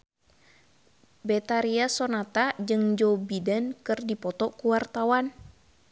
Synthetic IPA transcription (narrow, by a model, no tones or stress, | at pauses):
bɛt̪aɾiasonat̪ad͡ʒɨŋd͡ʒobidɛnkɨrdipɔt̪ɔkuwart̪awan